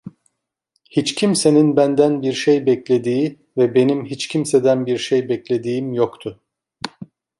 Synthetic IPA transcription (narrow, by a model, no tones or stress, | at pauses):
hit͡ʃcʰimse̞ninbænd̪ænbiɾʃejbɛclʲe̞d̪iː | vɛbe̞nimɦit͡ʃcʰimsed̪ænbiɾʃejbɛclʲe̞d̪iːimjokt̪ʰʊ